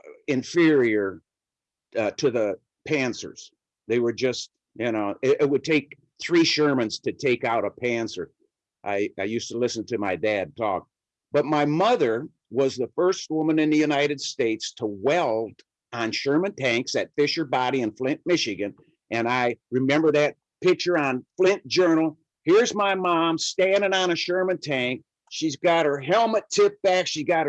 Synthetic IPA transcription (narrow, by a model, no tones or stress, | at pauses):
ɪ̃ɱfɪɹiə˞ | ɾɨðə | pʰæ̃nsə̰˞z̥ | ðeɪwə˞d͡ʒʌst̚ | jɨnoʊɪʔɪt̚wɨd̚tʰeɪk̚ | θɹiʃɜ˞mɨ̃nz̥tʰɨtʰeɪkaʊɾəpʰæ̃nsə˞ | ʔa̰ɪaɪjʉstəlɪsɨ̃n̩tʰɨmaɪdæd̚tʰɔ̰k̚ | b̥ʌt̚maɪmʌðə˞ | wʌzðəfɜ˞st̚wʊmɨ̃nɨ̃nðɨjʉnaɪɾɨd̥steɪtstʰəwɛlˠd̃ | n̩ʃɜ̃˞mɨ̃ntʰæ̃ŋksɨtfɪʃə˞bɑɾiɨ̃nflɪ̃nʔmɪʃɨɡɨ̃n | ɨ̃naɪɹɨmɛ̃mbə˞ðɨt̚ | pʰɪk̚t͡ʃə˞ə̃nflɪ̃nd̥ʒ̥ɜ˞nl̩ˠ | hɪɹzmaɪmɑ̃mstæ̃ndɪ̃ŋə̃nɨʃɜ˞mɨ̃ntʰæ̃ŋk | ʃizɡɑt̚hə˞ɦɛlˠmɨtʰɪp̚b̥ækʃizɡɑt̚